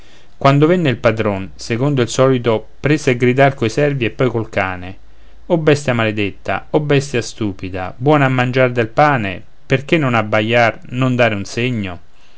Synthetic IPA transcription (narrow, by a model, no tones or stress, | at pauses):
kwand̪ovenːeilpad̪ɾonsekond̪oilsɔːlit̪opɾeseaɡɾid̪arkoisɛrviepːɔjkolkaːne | obːɛst̪jamaled̪et̪ːa̰obɛst̪jast̪uːpid̪a̰bwɔːnamːand͡ʒard̪elpaːnḛ | perk̟enːonabːajːar | nond̪aːɾɪunseɲːo